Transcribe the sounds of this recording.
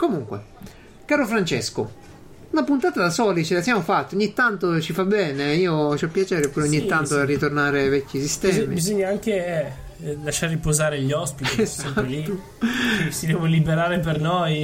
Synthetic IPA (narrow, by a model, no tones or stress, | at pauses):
komuŋkwḛ | kaːɾofɾant͡ʃesko̰ | unapunt̪aːt̪ad̪asɔːlit͡ʃelasjaːmofat̪ːioɲːit̪ːant̪ot͡ʃifabːɛːneiːot͡ʃiɔpːjat͡ʃɛːɾeopːuːɾeoɲːit̪ːant̪oerːit̪ornaːɾevɛkʲːisist̪ɛmibizoɲːaaŋkeɛ | laʃːaɾːipozaːɾeʎːɔspit̪aliu | isid̪ɛːvolibeɾaːɾepernoj